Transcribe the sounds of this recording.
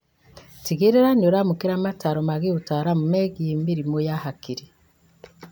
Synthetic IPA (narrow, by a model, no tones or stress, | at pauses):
tiɡeɾeɾaɲoɾamukiɾamataɾomaɡiutaɾamumeɡiimiɾimojahakiɾe